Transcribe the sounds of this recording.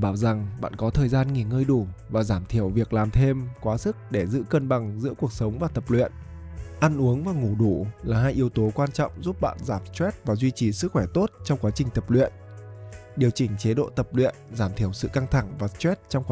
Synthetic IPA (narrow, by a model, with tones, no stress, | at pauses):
ɓaː˧˩wza˨˩ŋɓa̰ː˧˨nkɔ˨˦t̪ʰəː˨˩jzaː˧nŋi˨˩ŋəː˧jɗu˧˩vaː˨˩zaː˧˩mt̪ʰi˧˩əwvi˨˩ək̚laː˨˩mt̪ʰe˧mkwaː˨˦sɨ˦˥k̚ɗe˧˩zɨ̰˧˥kə˧nɓa˨˩ŋzɨ̰˧˥ku˨˩ək̚sə˨˦wŋ͡mvaː˨˩t̪ə˨˩p̚lwḭ˧˨ən | ʔa˧nʔu˨˦əŋvaː˨˩ŋu˧˩ɗu˧˩laː˨˩ɦaː˧jʔi˨˦əwt̪o˨˦kwaː˧nt͡ɕɔ̰˧˨wŋ͡mzu˦˥p̚ɓa̰ː˧˨nzaː˧˩mt͡ɕwɛ˦˥t̚vaː˨˩zwi˧t͡ɕi˨˩sɨ˦˥k̚xwɛ˧˩t̪o˦˥t̚t͡ɕɔ˧wŋ͡mkwaː˨˦t͡ɕï˨˩ŋ̟t̪ə˨˩p̚lwḭ˧˨ənʔ | ɗi˨˩əwt͡ɕï˨˩ŋ̟t͡ɕe˨˦ɗo̰˧˨t̪ə˨˩p̚lwḭ˧˨ənzaː˧˩mt̪ʰi˧˩əwsɨ̰˧˨ka˧ŋt̪ʰa˧˩ŋvaː˨˩t͡ɕwɛ˦˥t̚t͡ɕɔ˧wŋ͡mka˨